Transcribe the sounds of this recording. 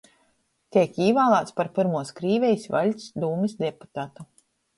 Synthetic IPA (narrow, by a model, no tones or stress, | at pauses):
t̪iɛkiːvaːlˠaːt̪spaɾpiɾmuɔskɾiːvʲɛjsva̰lʲsd̪uːmisd̪ʲɛpu̥t̪aːt̪u